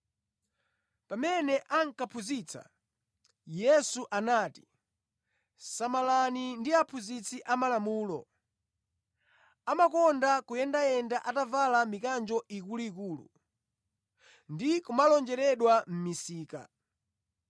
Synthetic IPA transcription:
pamɛnɛʔaŋ̩kapʰuzit͡sʰa̰ | jɛsuʔanaːti̥ | samalanindiapʰuzit͡sʰiʔamalamuːlɔ̰ | amakɔndakujɛndajɛndaʔatavalamikand͡ʒɔʔikuluik̬uːlṵ | ndikumalɔnd͡ʒɛɾɛɗwam̩misiːka̰

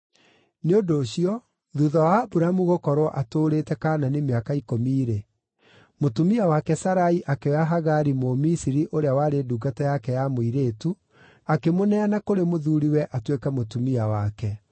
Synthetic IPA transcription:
neodoːɕiɔ | ðuðɔwabuɾamuɣokɔɾwɔʔatoːɾetɛkaːnanemeakaikomiːɾe | motumiawakɛsaɾaiʔakewaɦaɣaɾimomisiɾiʔoɾeawaɾeduːɡatajakɛjamoiɾeːtu | akemonɛanakoɾemoðuːɾiwɛʔatwekɛmotumiawakɛ

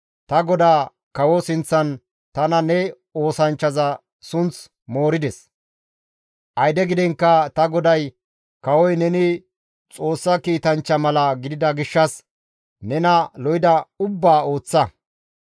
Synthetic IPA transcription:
t̪ɐɡɔd̪aː | kɐwɔsɪnt͡sːɐn | t̪ɐnɐnɛ | o̞ːsɐnt͡ʃːɐzɐ | sʊnt͡s | mo̞ːɾɪd̪ɛs | ʔɐjd̪ɛɡɪd̪ɛŋkːɐt̪ɐɡɔd̪ɐj | kɐwɔjnɛnɪ | t͡sʼo̞ːsːɐkiːt̪ɐnt͡ʃːɐmɐlɐɡɪd̪ɪd̪ɐɡɪʃːɐs | nɛnɐlɔjɪd̪ɐʊbːaːo̞ːt͡sːɐ

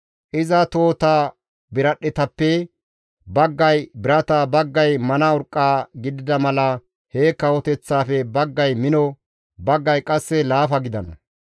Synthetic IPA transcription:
ʔɪzɐt̪o̞ːt̪aː | bɪɾɐɗːɛt̪ɐpːɛ | bɐɡːɐjbɪɾɐt̪abɐɡːɐjmɐnɐʊɾkʼːaːɡɪd̪ɪd̪ɐmɐlɐ | heːkːɐwɔt̪ɛt͡sːaːfɛbɐɡːɐjmɪnɔ | bɐɡːɐjkʼɐsːɛlaːfɐɡɪd̪ɐnɐ̰

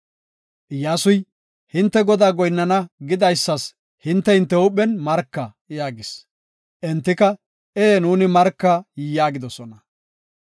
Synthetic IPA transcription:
ʔɪjaːsʊj | hɪnt̪ːɛɡɔd̪aːɡɔjnːɐnɐɡɪd̪ɐjsːɐs | hɪnt̪ːɛhɪnt̪ːɛʊɓɛnmɐɾkːɐ | jaːɡɪs | ʔɛnt̪ːɪkɐ | ʔeːnuːnɪmɐɾkːɐjɪjaːɡɪd̪ɔsɔnɐ

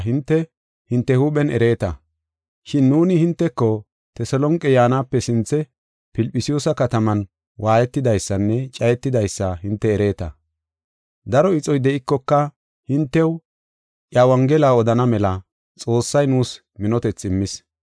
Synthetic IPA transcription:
ɦɪnt̪ːɛ | hɪnt̪ːɛhuːɓɛnʔɛ̰ɾe̞ːt̪ɐ | ʃɪnːuːnɪhɪnt̪ːɛkːɔ | t̪ɛsɔlɔŋkʼɛjaːnaːpːɛsɪnt͡sːɛ | pɪlpʼːɪsɪjoːsɐkɐt̪ɐmɐn | wʔaːjɛt̪ːɪd̪ɐjsːɐnːɛt͡ʃʼɐjɛt̪ːɪd̪ɐjsːɐɦɪnt̪ːɛːɾe̞ːt̪ɐ̰ | d̪ɐɾɔɪt͡sʼɔjd̪ɛʔɪkːɔkːɐ | hɪnt̪ːɛw | ʔjawɐŋɡɛlaːɔd̪ɐnɐmɛlɐ | t͡sʼo̞ːsːɐjnuːs | mɪnɔt̪ɛt͡sːɪmːɪs

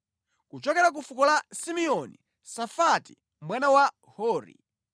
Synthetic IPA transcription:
kut͡ʃɔkɛɾak̬ufukɔlasimiɔnḭ | safati̥ | mwanawa | hɔːɾḭ

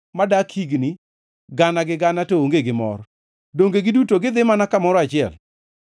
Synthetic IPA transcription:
madakʰiɡni | ɡanaɡɪɡanatooŋɡeɡɪmɔ̰ɾ | doŋɡeɡɪdutoɡɪd̪ɪmanakamɔɾɔat͡ʃɪɛl

